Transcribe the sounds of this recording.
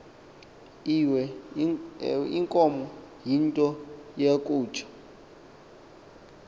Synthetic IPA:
iwɛ | iŋkʼɔmɔjintʼɔjekʼuːt͡ʃʰʼḁ

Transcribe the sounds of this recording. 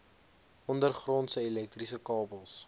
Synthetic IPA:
ɔndərχrɔntsəilɛk̚trisəkɑːbəlˠs

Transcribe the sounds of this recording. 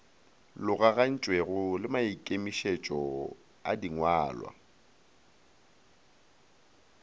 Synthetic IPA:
lʊɣaɣan̩t͡ʃʼweɣʊlɪmaikʼemiʃet͡ʃʼɔ | a̰diŋwaːlwa̰

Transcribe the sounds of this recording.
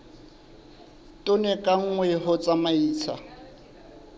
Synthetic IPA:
tʼʊnɛkʼaŋ̩ŋwɛɦʊt͡sʼamaiːt͡sʰa̰

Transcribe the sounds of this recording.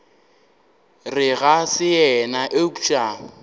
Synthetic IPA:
rɪɣasɪɛnaʔeut͡ʃʼa

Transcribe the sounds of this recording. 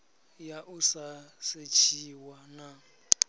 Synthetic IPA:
jaʔusaset͡ʃʰiwana

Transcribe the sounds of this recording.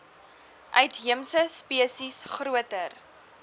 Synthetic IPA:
ʔœɥtɦiəmsəspiəsisχruətər

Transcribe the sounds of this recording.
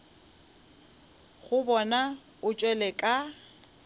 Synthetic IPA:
ɣʊbɔna | ʊt͡ʃʼwɛlɛkʼa

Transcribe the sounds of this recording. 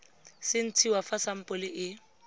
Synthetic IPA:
sɪn̩t͡sʰiwafasam̩pʼʊlɪʔɪ

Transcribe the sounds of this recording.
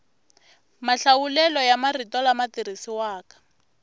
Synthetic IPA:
maɬawulɛlɔjamaritɔlamatirisiwaːkḁ

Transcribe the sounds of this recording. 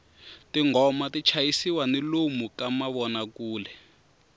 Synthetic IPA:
tiŋɔmatit͡ʃʰajisiwanilomukamaβɔnakuːlɛ

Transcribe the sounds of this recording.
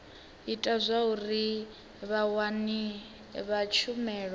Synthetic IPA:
itʼazʷaɦuri | βawani | βat͡ʃʰumɛːɺɔ

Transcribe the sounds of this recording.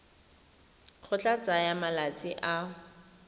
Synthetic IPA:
q͡χʰʊt͡ɬʼat͡sʼajamalat͡sʼɪʔa

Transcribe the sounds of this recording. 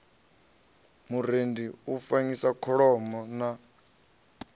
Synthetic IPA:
muɾendiufaŋisakʰɔɺɔmɔna

